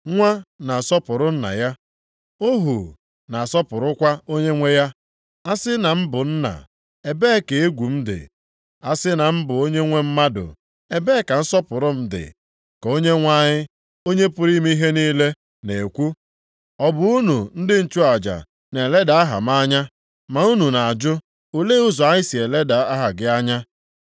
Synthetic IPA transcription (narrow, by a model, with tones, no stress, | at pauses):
ŋʷa˦na˨sɔ˦pʊ˨ɾʊ˦n̩˦na̰˨ja˦ | o˦ɦu˨ | na˨sɔ˦pʊ˨ɾʊ˦kʷa˦o˦ɲe˦ŋʷe˦ja˦ | a˦sɪ˦na˨m̩˦bʊ˨n̩˦na̰˨ | e˨be˦ke˨e˦ɡʷu˨m̩˦dɪ̰˨ | a˦sɪ˦na˨m̩˦bʊ˨o˦ɲe˦ŋʷe˦m̩˦ma˦dʊ̰˨ | e˨be˦ka˨n̩˦sɔ˦pʊ˨ɾʊ˦m̩˦dɪ̰˨ | ko˦ɲe˦ŋʷa˦ɲɪ˦ | o˦ɲe˦pʊ˨ɾi˦me˦i˦ɦe˦niː˦le˦ | ne˨e˨kʷu˦ | ɔ˦bʊ˨u˦nu˨n̩˦dɪ˦n̩˨t͡ʃu˦a˨d͡ʒa̰˨ | ne˨le˦da˨a˦ɦa̰˨m˦a˦ɲa˦ | ma˨u˦nu˨na˨a˨d͡ʒʊ˦ | o˨le˦u˦zɔ˨a˦ɲɪ˦si˨e˨le˦da˨a˦ɦa˨ɡɪ˦a˦ɲa˦